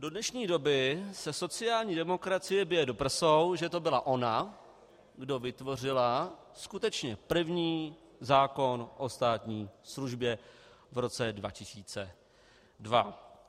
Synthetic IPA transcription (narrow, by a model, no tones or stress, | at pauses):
do̞dnɛʃɲiːdo̞bɪsɛso̞t͡sɪjaːlɲiːdɛmo̞kɾat͡sɪjɛbjɛjɛdo̞pr̩sowʒɛt̪o̞bɪlaʔo̞na | ɡdo̞vɪt̪vo̞r̝ɪla | skut̪ɛt͡ʃɲɛpr̩vɲiː | zaːko̞nʔo̞st̪aːt̪ɲiːsluʒbjɛ | vɾo̞t͡sɛdva̰cɪsiːt͡sɛ | dva